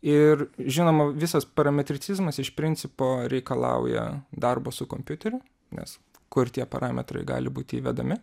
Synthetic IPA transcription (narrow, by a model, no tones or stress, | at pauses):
ɪrʒʲɪnoːmɐʋʲɪsɐspɐɾɐmʲɛt̪ʲɾʲɪsʲɪzmɐsɪʃpʲɾʲɪnʲsʲɪpoːɾʲɛɪkɐlˠɐ̰ʊjɛ̰d̪ɐrboːsʊkoːmʲpʲjʊt̪ʲɛɾʲʊ | nʲɛ̰s | kʊrt̪ʲiɛpɐ̰ɾʔɑːmʲɛ̰t̪ɾɐ̰ɪɡɑ̰ːlʲɪbuːt̪ʲɪiːʋʲɛd̪ɐmʲɪ